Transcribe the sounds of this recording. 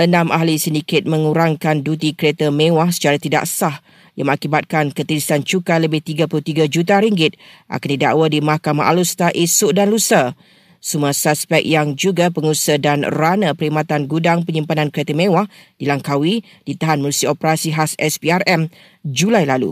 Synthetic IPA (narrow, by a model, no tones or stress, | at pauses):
ʔənãmʔaɦlisəndikɪt̪̚mə̃ŋuɾaŋkandut̪ikəɾet̪amẽwahsə̥t͡ʃaɾat̪ida̰ʔsah | jaŋmə̃ŋakibat̪̚kankət̪əlisant͡ʃukaləbɪht̪iɡapulut̪iɡad͡ʒut̪̬aɾiŋɡɪt̪̚ʔa̰kandida̰ʔwədimahkama̰ʔalust̪aʔisʊʔdanlusə | sumasaspɛk̚jaŋd͡ʒuɡapəŋusədanranəpəɾimat̪anɡudaŋpəɲimpanãnkəɾet̪amẽwahd̥ilaŋkawi | d̥it̪aɦanməlusiopəɾasiɦasɛspiarɛm | d͡ʒulajlalṵ